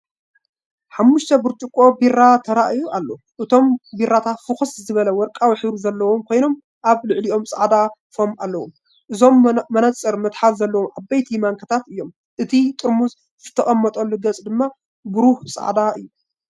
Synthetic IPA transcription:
ħamːʊʃt̪ʰɐbuɾt͡ʃ̪ʼukʼːo̞birːat̪ʰɐɾaʔɨjuʔalːo̞ | ʔɨt̪ʰo̞mbirːat̪ʰat̪fɨxɨszɨβɐlɐwɔɾkʼawħɨɾuzɐlːɐwomkʰo̞jno̞m | ʔaβlɨʕliʔo̞msʼa̰ʕd̪afo̞malːɐwo̰m | ʔɨzo̞mːɐnɐt͡sʼːɨɾmɐt̪ħalzɐlːɐwomʔabajt̪ʰimaŋkʰɐt̪ʰat̪ɨjːo̞m | ʔɨt̪ʰit̪ʼɨɾmuz | zɨt̪ʰɐχʼɐmːɐt̪ʼolɨɡɐt͡sʼd̪ɨmːa | bɨɾuhsʼa̰ʕd̪aʔɨjːu

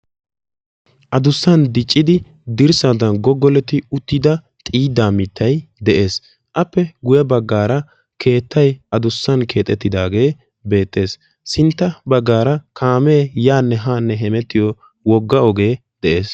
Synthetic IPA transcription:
ʔɐd̪ʊsːɐnd̪ɪt͡ʃʼːɪd̪ɪ | d̪ɪɾsad̪ɐnɡɔɡːɔlɛt̪ːɪʊt̪ːɪd̪ɐ | t̪ʼiːd̪aːmɪt̪ːɐjd̪ɛʔe̞ːs | ʔɐpːɛɡʊjɛbɐɡːaːɾɐ | kʰe̞ːt̪ʰːɐjɐd̪ʊsːɐnke̞ːt̪ʼɛt̪ːɪd̪aːɡe̞ː | be̞ːt̪ːe̞ːs | sɪnt̪ːɐbɐɡːaːɾɐkʰaːmeːjaːnːɛɦaːnːɛɦɛmɛt̪ːɪjɔ | wɔɡːɐɔɡe̞ː | d̪̥ɛʔe̞ːs

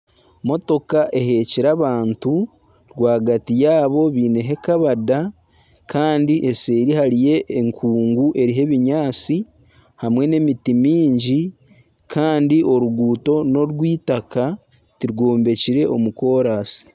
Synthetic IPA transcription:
mo̞to̞kaʔe̞ɦe̞ciɾaβaːntu | ɾɡwaːɡatijaːβo̞βiːne̞ɦe̞kaβada | kʰaːndiʔese̞ːɾihaɾije̞ʔːŋkʰuːŋɡuʔe̞ɾiɦe̞βiɲaːt͡si | hamwe̞ne̞mitimiːɲɟi | kʰaːndiʔo̞ɾuɡuːto̞no̞ɾwiːtaka | tiɾɡoːmbe̞ciɾe̞ʔo̞muko̞ːɾaːsi̥

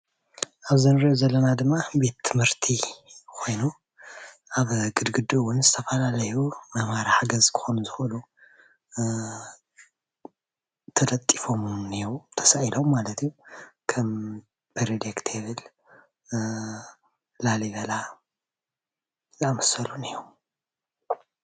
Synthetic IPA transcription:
ʔaβzɨnɾiʔozɐlːɐnad̪ɨmːabe̞t̪ʰːɨmhɨɾt̪ʰikʰo̞jnu | ʔaβɡɨd̪ɡɨd̪uwʊnzɨt̪ʰɐfɐlalɐjumɐmaɾaħaɡɐzkʰɨ̥xonuzɨxolu | t̪ʰɐlɐt̪ʼːifo̞mneɾwt̪ʰɐ̥saʔilo̞mːalɐt̪ʰijukʰɐm | b̥ɨɾed̪ekt̪ʰeβɨl | laliβɐla | zamɐsɐluneɾom

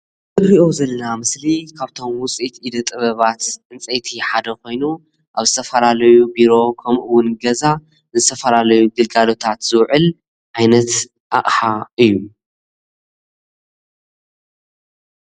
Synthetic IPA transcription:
zɨbɾiʔo̞zɐlːɐnamɨslikʰaβt̪ʰo̞mwʊt͡sʼit̪id̪ɐt̪ʼɨβɐβat̪ʔɨnt͡sʼet̪ʰiħad̪ɐko̞jnu | ʔaβzɨt̪ʰɐfɐlalɐjubiɾo̞kʰɐmʔɨwʊnɡɐza | zɨt̪ʰɐfɐlalɐjuɡɨlɡalo̞t̪ʰat̪z̥ɨwʕɨl | ʕajnɐt̪ | ʔa̰χʼħaɨjːu

